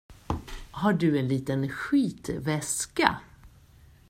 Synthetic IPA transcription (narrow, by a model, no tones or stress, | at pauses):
haɖɵɛnliːt̪ənɧiːt̪vɛska̰